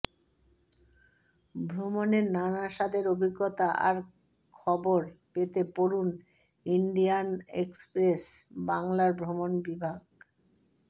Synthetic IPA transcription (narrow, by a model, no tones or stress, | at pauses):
bʱɾomoneɾnanaʃad̪ʱeɾobʱiɡːot̪aʔa̰ɾ | kʰɔboɾpet̪epoɾun | iɳɖijanekspɾesbaŋlaɾbʱɾomonbibʱaɡ̚